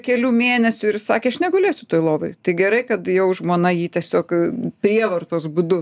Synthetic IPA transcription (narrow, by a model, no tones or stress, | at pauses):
kʲɛlʲuːmʲeːnʲɛsʲʊɪrsɑːkʲeːɐʃnʲɛɡolʲeːsʲʊt̪oːjlˠoːʋoɪt̪ɐɪɡʲɛɾɐɪkɐt̪jɛʊʒmoːnɐjiːt̪ʲiɛsʲoːkpʲɾʲiɛʋɐrt̪oːsbʊd̪ʊ